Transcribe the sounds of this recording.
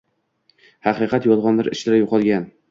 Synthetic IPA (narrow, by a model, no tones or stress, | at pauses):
hɑqɨqʰɑt̪jɒlˠʁɒnlɪɾɪʃlɪɾajoqʰɒlˠɡʲan